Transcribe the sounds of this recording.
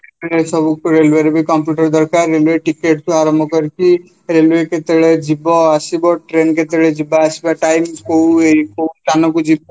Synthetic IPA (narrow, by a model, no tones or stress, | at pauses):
et̪ɭesəbukoɾeːlʋeɾbʱikɔ̃mpjuːʈəɾd̪əɾkaːɾːelʋeʈɪkeːʈkoaːɾəmɔkəɾki | ɾelʋeket̪eɭed͡ʒibɔasibɔʈɾeːnket̪əɭed͡ʒibaasibaʈaːɪmkoeikot̪aːnokud͡ʒib